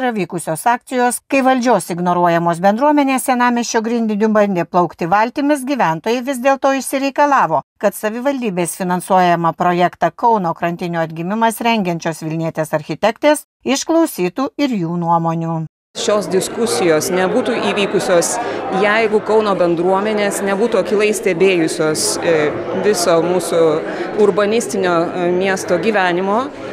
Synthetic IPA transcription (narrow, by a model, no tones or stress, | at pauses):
ɾɐʋʲiːkʊsʲoːsɑːk̚t̪sʲɪjoːskɐɪʋɐlʲd͡ʒʲoːsɪɡnoɾuɔjɛmoːs̬bʲɛnd̪ɾuɔmʲɛnʲeːssʲɛnɑːmʲɛsʲt͡ʃʲoːɡɾʲɪnd̪ʲɪnʲubɐnʲd̪ʲeːplˠɒʊkt̪ʲɪʋɐlʲt̪ʲiːmʲɪsɡʲiːʋʲæˑnt̪oːjɛɪʋʲɪzd̪ʲeːlˠt̪oːɪʃsʲɪɾʲɛɪkɐlˠɑːʋoːkɐt̪sɐʋʲɪʋɐlʲd̪ʲiːbʲeːsfʲɪnɐnsuɔjɛmɐpɾojɛkt̪ɑkɒʊnoːkɾɐnʲt̪ʲɪnʲuːɐd̪ʲɡʲɪmʲɪmɐsɾʲɛŋʲɡʲɛnʲt͡ʃʲoːsʋʲɪlʲnʲiɛt̪ʲeːsɐɾʲxʲɪt̪ʲɛkt̪ʲeːs | ɪʃklˠɒʊsʲiːt̪uːɪɾjuːnuɔmoːnʲuː | ʃʲoːsd̪ʲɪskʊsʲɪjoːsnʲɛbuːt̪uʔiːʋʲiːkʊsʲoːsjɛɪɡʊkɒʊnoːbʲɛnd̪ɾuɔmʲɛnʲeːsnʲɛbuːt̪uːɐkʲɪlˠɐɪsʲt̪ʲɛbʲeːjʊsʲoːs | ʋʲɪsoːmuːsʊ | ʊɾbɐnʲɪsʲt̪ʲɪnʲoːmʲiɛst̪oːɡʲiːʋʲæːnʲɪmoː